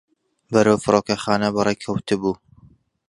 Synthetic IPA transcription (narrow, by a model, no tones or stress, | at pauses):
bɐɾawfɨɾoːkɐxɑːnɐbɨrejkʰɐwt̪ɨbuː